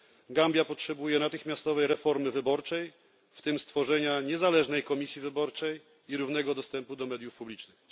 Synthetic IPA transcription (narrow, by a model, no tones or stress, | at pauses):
ɡambʲjapɔtʂɛbujɛnat̪ɘxmʲjast̪ɔvɛjɾɛfɔɾmɘvɘbɔɾt͡ʂɛj | ft̪ɘmst̪fɔʐɛɲaɲɛzalɛʐnɛjkɔmʲisʲjivɘbɔɾt͡ʂɛj | iɾuvn̪ɛɡɔd̪ɔst̪ɛmpud̪ɔmɛd̪jufpublʲit͡ʂnɘx